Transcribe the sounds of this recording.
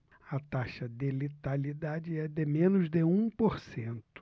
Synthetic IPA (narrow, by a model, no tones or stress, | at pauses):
ɐt̪aʃɐd̪elit̪alid̪ad͡ʒɪɛd̪ɪmẽnʊzd̪eũpoɾsẽnt̪ʊ̥